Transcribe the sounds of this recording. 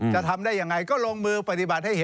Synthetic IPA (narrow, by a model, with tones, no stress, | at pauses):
t͡ɕa˨˩t̪ʰa˧mdaː˥˩jːa˧˩ŋɾa˧jkɔː˥˩loː˧ŋmɯː˧pa˧t̪i˨˩ba˨˩t̪̚ha˥˩jhe˧